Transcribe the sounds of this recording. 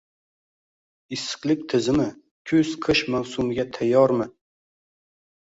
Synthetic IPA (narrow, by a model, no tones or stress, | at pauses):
ɪsɨ̥qlˠɪk̚ʲt̪ʰɪzɪmɪ | kʲʰɵz̥qʰɨʃmawsumɪɡʲat̪ʰajːɒɾmɪ